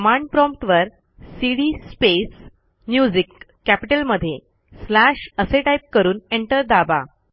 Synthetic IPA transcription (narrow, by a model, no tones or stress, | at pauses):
maɳɖpɾɔmpt̪ʋəɾ | siɽispes | mjud͡ʑikː | æpiʈəlməd̪ʱːje | slæɕəseʈajp̚kəɾuːneɳʈəɾd̪aba̰